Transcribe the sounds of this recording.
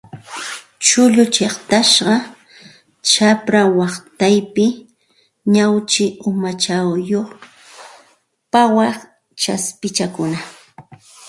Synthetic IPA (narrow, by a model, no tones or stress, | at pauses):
t͡ʃʊʎʊt͡ʃeχt̪aʃɢɑ | t͡ʃapɾawɑχt̪ajpɪ | ɲawt͡ʃɪʊmat͡ʃawjoχ | pawɑχ | t͡ʃaspɪt͡ʃakʊna